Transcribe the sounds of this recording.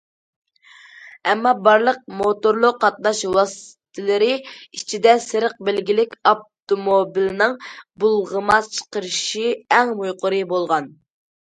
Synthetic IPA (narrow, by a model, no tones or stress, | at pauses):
ɛmːɑbɑɾlˠəq̚mot̪oɾlˠʊqːɑt̪̚nɑʃwɑsɨ̥t̪ʰɪlɪɾɪit͡ʃʰid̪ɛsɨɾəq̚bɪlɡʲilɪkʲɑp̚t̪omobilnɨŋbulˠʁəmɑt͡ʃʰə̥qəɾɨʃiɛŋmujqʰʊɾɨbolˠʁɑn